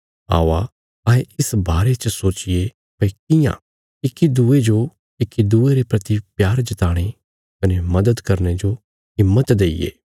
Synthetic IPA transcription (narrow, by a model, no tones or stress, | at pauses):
a̰ːʋa | ɐeɪsbaːɾet͡ʃəsoːt͡ʃɪje | pɐkɪjã̰ | ɪkid̪uːed͡ʒo | ɪkːid̪uːeɾepɾɐt̪ipjaːɾd͡ʒɪt̪aːɽ̃e | kɐnemɐd̪əd̪kɐɾned͡ʒo | ɦɪmːət̪d̪eːɪ̰jḛː